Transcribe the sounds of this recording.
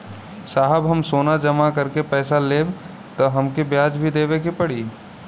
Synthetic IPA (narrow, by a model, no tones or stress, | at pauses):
saːɦəbɦəmsoːnad͡ʒəmakɐɾkepɛːsaleːb | t̪ɔɦɐmkebjaːd͡ʒbʱid̪eːʋekepəɽiː